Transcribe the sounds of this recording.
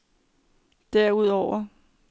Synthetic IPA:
d̥æɐ̰uð̞ˠɒʊ̰ɐ

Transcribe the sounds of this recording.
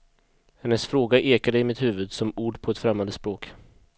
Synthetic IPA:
hɛnːəsfɾoːɡaʔeːkad̪əɪmɪt̪hʉːvɵd̪sɔmuːɖpʰɔɛt̪fɾɛmːand̪əspɾoːk

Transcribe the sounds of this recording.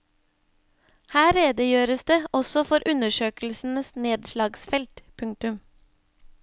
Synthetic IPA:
hæːɾeːd̪əjøːɾəsd̪eːʔɔsɔfɔɾʔʉnəʃøːkl̩sn̩əsneːd̪ʃlɑːɡsfɛlt̪pʰʉŋ̚t̪ʉm

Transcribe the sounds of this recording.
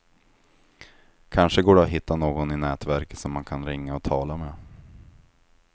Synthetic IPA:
kʰanʂəɡoːɖɛaɦɪt̪ʰːanoːɡɔnɪnɛːt̪væɾkə̥t̪sɔmːankʰanɾɪŋːaɔt̪ʰɑːlameː

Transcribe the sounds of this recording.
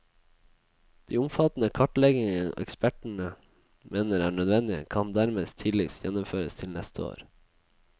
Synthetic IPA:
d̪̥iːʊmfɑt̪n̩əkʰɑʈɭɛɡɪŋəʔɛ̰kspæʈɳ̩ə | meːnəɾæːɳœd̪ʋɛnd̪ɪə̰kʰɑnd̪æɾmeːst̪ʰɪd̪lɪsjɛnɔmføːɾəst̪ʰɪlnɛst̪ʰəo̰ːɾ

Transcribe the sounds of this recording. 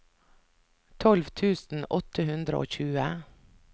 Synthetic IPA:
t̪ʰɔlʋt̪ʰʉːsn̩ʔɔt̪ʰəhʉnd̪ɾə̰ʔo̰ːçʉːə

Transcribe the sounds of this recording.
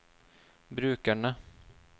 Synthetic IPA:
bɾʉ̟ːkaɳa

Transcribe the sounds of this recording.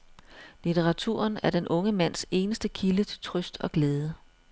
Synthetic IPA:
lit͡sʰeʁɑ̈t͡sʰṵɐ̰næɐd̥enʔɔ̽ŋəmæn̰se̝ːnəsd̥əkʰilət͡sʰe̝t͡sʰʁœsd̥ɒ̽ɡ̥leːð̞ˠə

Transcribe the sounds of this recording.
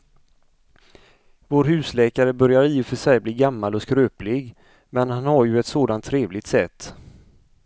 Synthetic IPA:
voːɾɦʉ̟ːslɛːkaɾəbœɾjaɾiːʊfœʂɛjbliːɡamːalɔskɾøːplɪɡ | mɛnhanhaɾjɵɛt̪soːd̪ant̪ʰːɾeːvlɪɡt̪sɛt̪ː

